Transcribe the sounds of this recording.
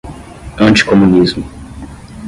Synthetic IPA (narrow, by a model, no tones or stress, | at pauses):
ɐ̃nt͡ʃi̥komũnizmʊ